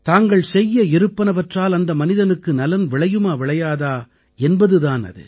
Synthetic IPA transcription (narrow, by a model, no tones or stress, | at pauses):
t̪aːŋɡɐɭsɛjːɐɪɾɯpːɐnɐʋɐʈraːlɐnd̪ɐmɐnɪðɐnɯkːɯnɐlɐnʋɪɭɐjɯmaːʋɪɭɐjaːðaː | ɛnbɐðɯðaːnɐ̰ðɯ̰